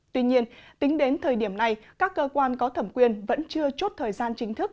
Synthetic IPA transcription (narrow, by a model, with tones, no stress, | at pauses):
t̪wi˧ɲi˧ənt̪ï˨˦ŋ̟ɗe˨˦nt̪ʰəː˨˩jɗi˧˩əmna˨˩jkaː˦˥kːəː˧kwaː˧nkɔ˨˦t̪ʰə˧˩mkwi˧˩ənvə̰˧˥nt͡ɕɨ˧ət͡ɕo˦˥t̚t̪ʰəː˨˩jzaː˧nt͡ɕï˨˦ŋ̟t̪ʰɨ˦˥k̚